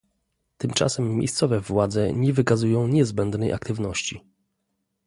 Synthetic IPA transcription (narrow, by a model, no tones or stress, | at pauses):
t̪ɘmt͡ʂa̰sɛmːjḛjst̪sɔvɛvwad̪zɛɲɛvɘkazujɔ̃w̃ɲɛzbɛnd̪nɛjʔa̰kt̪ɘvnɔɕt͡ɕi